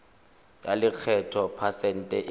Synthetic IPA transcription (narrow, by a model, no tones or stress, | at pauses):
jalɪk͡xʰɛtʰɔpʰasɛn̩tʼɛʔ